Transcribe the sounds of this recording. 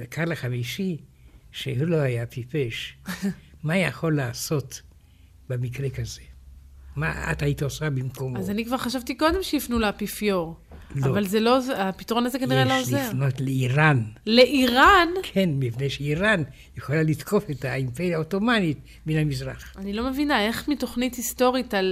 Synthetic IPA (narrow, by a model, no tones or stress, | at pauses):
ekʰaʁlaχamiʃiʃehuloajapipeʃ | majaχo̞lːaːso̞t | bemikʁekazema̰a̰tait̪osabimkomazanikvaʁχaʃavt̪iko̞d̪emʃeifnulaapifjoʁ | lovalzelozapitʁo̞nazekaniʁeloozefnotleiʁanle̞ʔiʁankʰenmipnejʃeiʁan | jeχolalitkʰo̞fetaimpeʁjaotomanit̚ | benamizʁaχanilome̞vinae̞χmito̞χnithisto̞ʁital